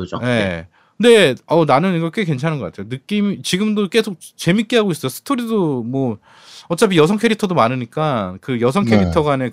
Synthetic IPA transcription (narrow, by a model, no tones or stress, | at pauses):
ɯd͡ʑo̰je̞ | kɯnde̞ʌnanɯnɡʌkʰɡek̬went͡ɕʰanɯnɡʌk͈atʰejonɯk͈imit͡ɕiɡɯmdok͈e̞sʰok̚ | t͡ɕe̞mik͈iɦaɡois͈ʌjosʰɯ̥tʰoɾidomwʌ | ʌt͡ɕ͈apʰijʌs̬ʰʌŋkʰe̞ɾitʰʌdomanɯɲik͈akɯjʌsʰʌŋkʰeɾitʰʌɡwane